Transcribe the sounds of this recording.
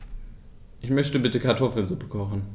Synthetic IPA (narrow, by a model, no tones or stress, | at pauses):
ʔɪçmœçtəbɪtəkʰaɐtʰɔfl̩nzʊpə̥kʰɔχn̩